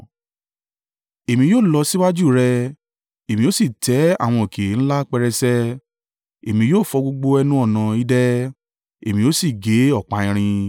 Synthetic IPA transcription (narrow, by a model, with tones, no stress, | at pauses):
e˨mĩ˧joː˦˨lɔ˧si˦wa˦d͡ʒu˦˨ɾɛ˧ | e˨mĩ˧˦o˦si˦˨tɛ˨˦a̰˦˨w̃ɔ̃˧o˨kʰe˨ñ̩˦la˦k͡pɛ˧ɾɛ˧sɛ˦ | e˨mĩ˧˦joː˦˨fɔ˧ɡ͡bo˧ɡ͡bo˧ɛ˧nũ˦ɔ˦˨nã˧i˦dɛ˦ | e˨mĩ˧jo˦si˦˨ɡe˨˦ɔ˦˨k͡pa˧ĩ˧ɾ̃ĩ˧